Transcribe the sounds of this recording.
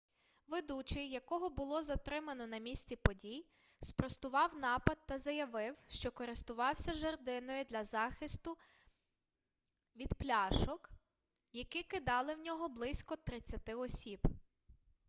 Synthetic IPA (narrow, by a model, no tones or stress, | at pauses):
ʋed̪ut͡ʃɪjɐkɔɦɔbʊlˠɔzɐt̪ɾɪmɐnɔnɐmʲisʲt͡sʲipɔdʲij | spɾɔst̪ʊʋɑwnɑpɐd̪̚t̪ːɐzɐjɐʋɪwʃt͡ʃɔkɔɾɪst̪ʊʋɑwsʲɐʒɐrd̪ɪnɔjʊd̪lʲɐzɑxɪst̪ʊ | ʋʲid̪plʲɑʃɔk | jɐkɪkɪd̪ɑlˠɪwnʲɔɦɔblˠɪsʲkɔt̪ɾɪt͡sʲːɐt̪ɪɔsʲib̥